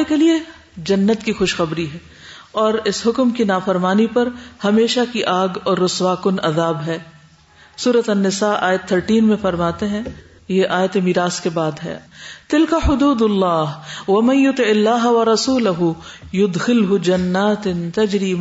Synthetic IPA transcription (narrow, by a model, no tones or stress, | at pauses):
ekelie | d͡ʒɐnːət̪kixʊʃxɐbɾiɦɛː | ɔːɾɪsɦʊkmkinaːfɐɾmaːnipɐɾhɐmeːʃakiʔaːɡɔːɾːʊswaːkʊnɐðaːbɦɛː | suːɾət̪ɐnːɪsaːʔa̰ːjət̪ʰːəɾʈiːnmẽfɐɾmaːt̪eɦɛ̃ | jeʔaːjət̪emiːɾaːskebaːd̪ɦɛ̰ːt̪ɪlkaħʊd̪uːd̪lːaːɦwɐmɐ̃njʊt̪ɪɪlːaːɦɐwɐɾɐsuːlɐɦʊjʊd̪xɪlɦʊd͡ʒɐnːaːt̪nt̪ɐd͡ʒɾiːma